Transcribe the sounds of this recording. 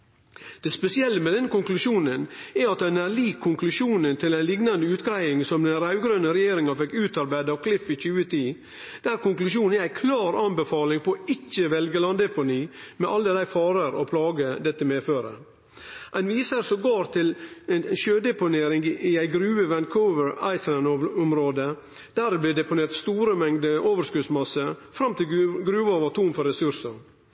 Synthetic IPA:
d̪̥ɛspɛsɪɛlːəmɛd̪ɛnːəkʊŋklʉʃuːnənæɑt̪ɛnæliːkʰːʊŋklʉʃuːnənt̪ʰɪlæɪnlɪɡnɑnd̪əʉːt̪ɡɾæɪɪŋsɔmd̪ɛnɾɑʉɡɾœnəɾɛjeːɾɪŋɑfɛkːʉːt̪ɑɾbæɪd̪ɑʋkʰlɪfɪc͡çʉːət̪ʰiː | d̪̥æɾkʊŋklʉʃ̬uːn̩ææɪkʰlɑːɾɑnbəfɑːlɪŋpʰɔɪcːəʋɛlɡəlɑnd̪ɛpʊniːmɛʔɑld̪əd̪æɪfɑːɾəɾɔ̰pʰlɑːɡəd̪ɛt̪ːəmeːføːɾə̰ | ʔɛnʋiːsəɾsɔɡoːɾt̪ʰɪlɛnʃøːd̪ɛpʊneːɾɪŋɡɪæɪɡɾʉːəʋɛnkʰɔʊʋəɹɑ̰ɪslænʊmɾoːd̪ə | d̪̥æɾbliːd̪ɛpʊneːɾt̪st̪uːɾəmɛŋd̪əʔoːʋəɾskʉd̪smɑsəfɾɑmt̪ɪɡɾʉːʋoːʋət̪ʰuːnfɔɾɛsʉɾsəɾ

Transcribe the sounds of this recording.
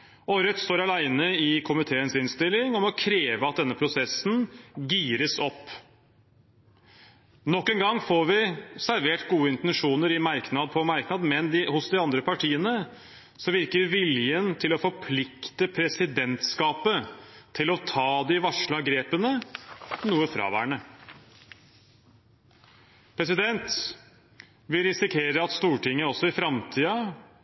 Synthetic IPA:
ɔɾœt̪st̪oːɾɑlæɪnəɪkʰʊmɪt̪ʰeːənsɪnst̪ɪlːɪŋɔmɔkʰɾeːʋəɑt̪̚d̪ɛnːəpʰɾʊsɛsːn̩ɡiːɾəsɔpː | nɔkːɛŋɡɑŋːfoːɾʋɪsæɾʋeːʈɡuːəɪnt̪ɛnʂuːnəɾɪmɑɾknɑd̪̚pʰɔmɑɾknɑd̪mɛnd̪ɪhʊsd̪ɪɑnd̪ɾəpʰɑʈʰiːənə | sɔʋɪɾkəʋɪljənt̪ʰɪlɔfɔɾpʰlɪkt̪əpʰɾɛsɪd̪ɛnt̪skɑːpət̪ʰɪlɔt̪ʰɑːd̪ɪʋɑʂɭɑɡɾeːpənə | nuːəfɾɑ̰ːʋæ̰ːɳə | pʰɾɛsɪd̪ɛnt̪ | ʋɪlɾɪsɪkʰeːɾəɑt̪st̪uːʈɪŋːəɔsɔɪfɾɑmt̪ʰiːɑ

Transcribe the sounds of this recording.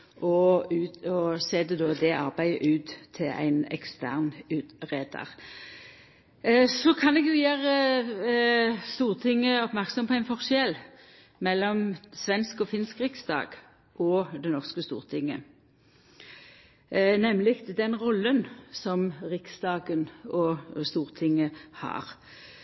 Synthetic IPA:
ʔɔʉɔseːd̪ɛd̪oːd̪ɛʔɑʁbæɪəʔʉːt̪ʰːɪlæ̰ɪnɛ̰kst̪æ̰ʁnʉːt̪ʁeːd̪ə̰ʁ | sɔkʰɑnɛɡjʊjæːʁə | st̪uːʁt̪ʰɪŋːəɔpmæʁksɔmpʰɔæɪnfɔʁʃjɛl | mɛlːɔmsʋɛnskɔfɪnskʁɪksd̪ɑ̰ːɡ̥ | ʔɔd̪ɛnɔʁskəst̪ṵːʁt̪ʰɪŋːə | nɛmlɪkt̪d̪ɛnʁɔlːənsɔmʁɪksd̪ɑːɡənɔst̪uːʁt̪ʰɪŋːəhɑ̰ːʁ

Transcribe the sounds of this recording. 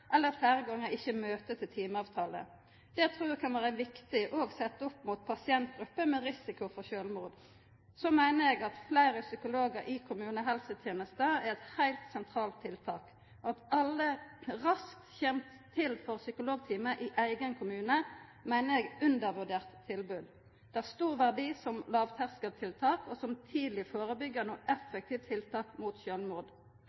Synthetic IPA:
ʔɛlːəfæːɾəɡɑŋːəɪçːəmøːt̪ət̪ʰɪlt̪ʰiːməɑːʋt̪ʰɑːlə̰ | d̪̥ɛɪt̪ʰɾuːʁʋɛkʰɑnʋæːʁəʋɪkt̪ɪʔoːɡsɛt̪ːəɔpːmuːt̪̚pʰɑsɪɛnt̪̚ɡɾʉpːəmɛʁɪsɪkʊfɔʃøːlmuːd̪ | sɔmæɪnəɾɛɡɑt̪flæɪɾəsʏkʊloːɡəɾʔɪkʰʊmʉːnəɦɛlsət̪ʰjeːnəst̪əæʁɛt̪hæɪlt̪sɛnt̪ʰʁɑːlt̪ʰːɪlt̪ʰɑːk | ɔɑt̪ɑlːəʁɑsk̚t̪çɛmt̪ʰːɪlfɔʁsʏkʊloːɡ̚t̪ʰiːməʔɪʔæɪɡənkʰʊmʉːnəmæɪnəɛɡʉnd̪əʁʋʉʁd̪eːʁt̪ʰːɪlbʉːd̪ | d̪̥ɛæst̪uːʁʋæʁd̪iːsɔmlɑːʋt̪ʰæʁskəd̪t̪ʰɪlt̪ʰɑːkɔsɔmt̪ʰiːd̪l̩ɪfoːʁəbʏɡːəʁnuːʔɛfːək̚t̪ʰiːʋt̪ʰɪlt̪ʰɑːkmuːt̪ɕøːlmʊːʁd̪

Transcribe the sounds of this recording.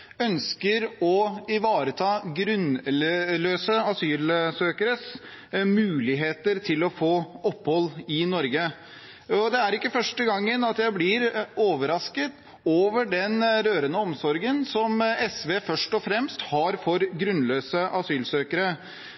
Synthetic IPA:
œnskəɾɔɪʋɑːɾət̪ʰɑːɡɾʉnløːsəɑsyːlsøːkəɾəs | mʉːlɪɦeːt̪əɾt̪ʰɪlɔfoːɔpːhɔlːɪnɔɾɡə | ɔd̪ɛæɾɪkːəfœʂʈəɡɑŋːənɑt̪jæɪblɪɾoːʋəɾɑskət̪ | oːʋəɖɛnɾøːɾənəɔmsɔɾɡənsɔmɛsʋeːfœʂʈɔfɾɛmst̪hɑɾfɔɾɡɾʉnløːsəʔɑsyːlsøːkəɾə

